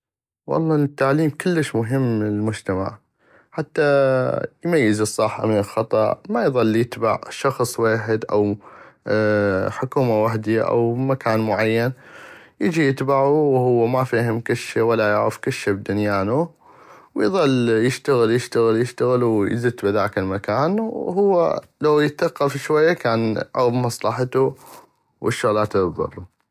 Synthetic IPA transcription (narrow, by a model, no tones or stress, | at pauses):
wɑ̰lˤːɑːnt̪ːaʕliːmkʊlːəʃmʊɦɪmːɪlmʊd͡ʒt̪ama̰ʕ | ħat̪ːa | jmajːɪzɨsˤːɑħa̰mɪnəlxɑt̪ˤɑ̰ʔmajðˤɑlːjɪt̪baʕʃɑxsˤweːħɪd̪ʔa̰w | ħʊkuːmawaħd̪iʔa̰wmakaːnmʊʕajːan | jɪd͡ʒijɪt̪baʕuwhʊwːamafiːhɪmkaʃawalːajaʕɾɪfkaʃːabd̪ʊnjaːnu | wjðˤɑlːjɪʃt̪aɣɪljɪʃt̪aɣɪljɪʃt̪aɣɪlwjzɪt̪ːbɪðaːkɪlmakaːnwhʊwːa̰ | lawjɪt̪ːaqːɑfʃwajːakaːnʕɑɣbmɑsˤlɑħt̪u | wʔɪʃːʊɣlaːt̪ɪðˤɑ̰rˤːu